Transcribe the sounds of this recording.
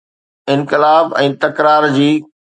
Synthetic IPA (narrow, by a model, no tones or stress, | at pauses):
ɪ̃nkɪlaːbɛ̃ːt̪ɐkɾaːɾd͡ʑiː